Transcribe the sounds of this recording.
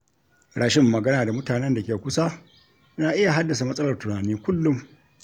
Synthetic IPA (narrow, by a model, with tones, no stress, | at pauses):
ɽaː˦ʃɪ˦mːɐ˨ɡɐ˦naː˨da˨mʊ˦taː˨nɛ˦nda˨kʲeː˨kʷʊ˦sa˦ | naː˨ʔɪ˦ja˨ɦa˦dːɐ˨s̬a˨mɐ˦sʼɐ˦lɐ˨rtʊ˨naː˨niː˦kʷʊ˦lːʊ˦m